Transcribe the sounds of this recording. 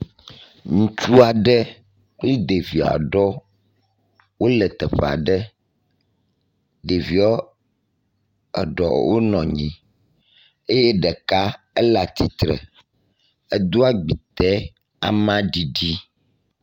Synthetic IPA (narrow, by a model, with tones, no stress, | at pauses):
ŋũ˨t͡ʃu˦a˨ɖɛ˦ | k͡pli˦d̪e˨vi˨a̰˨ɖɔ˦ | wo˦lɛ˨t̪ɛ˨ɸɛ˨a̰˨ɖɛ˦ | d̪e˨vi˨ɔ˦ | ɛ̰˨ɖɔ̰˨wo˦nɔ̃˨ɲĩ˨ | e˦jɛ˦ɖɛ˨ka˦ | ɛ˦la˨t̪i˦t̪ɾɛ̰˨ | ɛ˨d̪o˦a˦ɡ͡bi˨t̪ɛ˦ | a̰˨mã˦ɖi˨ɖi˦